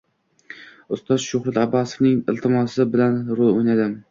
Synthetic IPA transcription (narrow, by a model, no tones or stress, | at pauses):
ʊst̪ɒzʃʊhɾat̪abɒsɪ̥fnɪŋɪlt̪ʰɪmɒsɪbɪlanɾolˠojnad̪ɪm